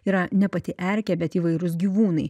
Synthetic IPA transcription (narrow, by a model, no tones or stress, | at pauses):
iːɾɐnʲɛpɐt̪ʲɪɛɾʲkʲɛbʲɛt̪iːʋɐɪɾʊsɡʲiːʋuːnɐɪ